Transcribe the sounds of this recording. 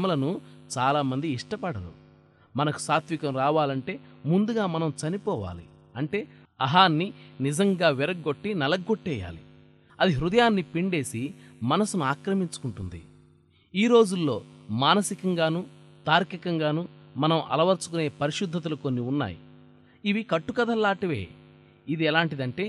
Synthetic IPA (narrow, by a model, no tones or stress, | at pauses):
mɐlɐnut͡ʃaːlaːmɐnd̪iːʂʈɐpɐɽɐɾṵ | mɐnɐku̥saːt̪ʋikɐmɾaːʋaːlɐɳʈe̞ːmund̪uɡaːmɐnɐmt͡ʃɐnipɔːʋa̰ːli | ɐɳʈe̞ː | ɐɦaːnːinid͡ʒɐŋɡaːʋɛɾɐɡɡːo̞ʈːinɐlɐɡːoʈːɛːja̰ːlḭ | ɐd̪iɦɾud̪ɐjaːnːipiɳɖe̞ːsimɐnɐsunuaːkɾɐmiɲt͡ʃu̥kuɳʈund̪ḭ | iːɾo̞ːd͡ʒulːo̞̰ːmaːnɐsikɐŋɡaːnut̪aːɾkikɐŋɡaːnumɐnɐmʔɐ̰lɐʋɐɾt͡ʃu̥kune̞ːpɐɾiʃud̪ʱːɐt̪̬ɐluko̞nːiunːa̰ːjḭ | iʋikɐʈːukɐd̪ɐlːaːʈɐʋḛː | id̪iɛlaːɳʈid̪ɐɳʈe̞ː